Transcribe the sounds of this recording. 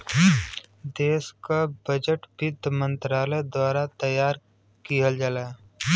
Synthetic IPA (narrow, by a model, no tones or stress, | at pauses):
d̪eːskabəd͡ʒəʈbɪd̪ʱmə̃nt̪ɾaːləjd̪waːɾat̪əjaːɾ | kiəld͡ʒaːlaː